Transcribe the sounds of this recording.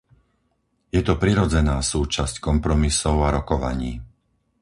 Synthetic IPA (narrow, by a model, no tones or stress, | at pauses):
jɛt̪ɔpɾiɾɔd͡zɛnaːsuːt͡ʃasckɔmpɾɔmisɔʊaɾɔkɔʋa̰ɲiː